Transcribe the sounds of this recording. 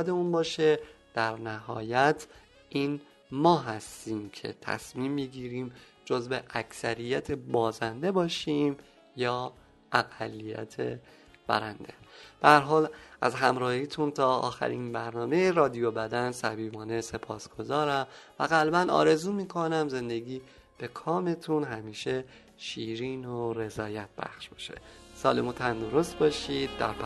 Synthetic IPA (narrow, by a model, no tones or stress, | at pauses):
d̪eunbɒːʃed̪̥æɾnæhɒ̰ːjæt̪ʰ | ʔiːn | mɒːɦæst̪iːmcʰe̞̰t̪ʰæ̰smiːmːiɟiːɾiːm | d͡ʒozbeʔæcʰsæɾijæt̪ʰe̞bɒːzænd̪e̞bɒːʃiːm | jɒː | ʔæɣælːijæ̰t̪ʰe̞ | b̥æ̰ɾænd̪e̞̰d̪̥ææɾɦɒːlʔæzɦæmɾɒːhiːt̪ʰunt̪ʰɒːɒ̰ːxæ̰ɾiːnbæɾnɒːme̞jeɾɒːd̪ijo̞bæd̪ænsæbiːbɒːne̞se̞pʰɒːsɡ̥o̞zɒːɾæmvæ̰ɣælbænɒ̰ːɾe̞zuːmiːkʰonæmze̞nd̪e̞ɡiː | b̥e̞kʰɒːme̞t̪ʰunɦæmiːʃe | ʃiːɾiːnoɾe̞zɒːjæt̪̚b̥æ̰xʃb̥ɒ̥ʃe̥̰sɒ̰ːlemut̪ʰænd̪o̞ɾo̞st̪bɒːʃiːd̪̚ːæ̰ɾp